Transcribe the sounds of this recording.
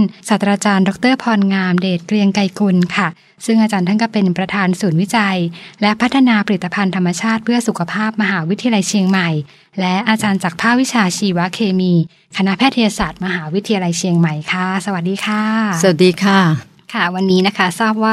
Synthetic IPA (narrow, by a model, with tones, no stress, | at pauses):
nsaː˨˩t̪ɾaː˧t͡ɕaː˧ndɔ˦˥k̚t̪ɤː˥˩pʰɔː˧nŋaː˧mdeː˨˩t̪̚kɾi˧əŋka˧jku˧nkʰa˥˩ | sɯ˥˩ŋʔa˧t͡ɕaː˧nt̪ʰa˥˩kɔː˥˩pe˧npɾa˧t̪ʰaː˧nsuː˩˦nwi˦˥t͡ɕa˧jlɛ˦˥pʰa˦˥t̪ʰːa˧naː˧pa˧ɾi˨˩t̪ːa˧pʰa˧nt̪ʰa˧mːa˧t͡ɕʰaː˥˩t̪̚pʰɯ˥˩ɐsu˨˩kʰa˧pʰaː˥˩p̚ma˧ɦaː˩˦wi˦t̪ʰi˧a˧la˧jt͡ɕʰi˧əŋma˨˩j | lɛ˦˥ʔaː˧t͡ɕaː˧nt͡ɕaː˨˩k̚pʰaː˥˩p̚wi˦˥t͡ɕʰaː˧t͡ɕʰiː˧wa˦˥kʰeː˧miː˧ | kʰa˧na˦˥pʰɛː˥˩t̪ʰːa˧jaː˧saː˨˩t̪̚ma˧ɦaː˩˦wi˦˥t̪ʰːi˧ja˧la˧jt͡ɕʰi˧əŋma˨˩jkʰa˥˩sa˧wa˨˩t̪̚diː˧kʰaː˧˩sa˨wa˨t̪̚diː˧kʰaː˧˩ | kʰa˥˩wa˧nːiː˦˥na˦˥kʰa˦˥saː˥˩p̚waː˥˩